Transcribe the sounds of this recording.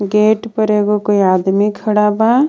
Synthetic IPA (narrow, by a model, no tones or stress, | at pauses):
ɡeːʈpəɾeːɡokoiaːd̪mikʰːɐɽaba